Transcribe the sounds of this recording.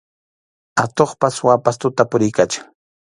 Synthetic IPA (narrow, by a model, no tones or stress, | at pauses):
at̪oχpaswapast̪ʊt̪apʊɾɪjkat͡ʃḁŋ